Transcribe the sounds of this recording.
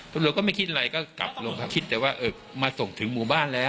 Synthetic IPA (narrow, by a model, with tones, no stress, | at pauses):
slu˨˩t̚kɔː˥˩ma˥˩jkʰi˦˥t̪̚ʔa˧ɾa˧jkɔː˥˩ka̰˨˩p̚lo˧ŋkʰa˦˥˩kʰi˦t̪̚ːɛː˨˩waː˥˩ʔɤː˨˩ | maː˧so˨˩ŋt̪ʰɯ˩˦ŋmuː˨˩˦baː˥˩nlɛː˦˥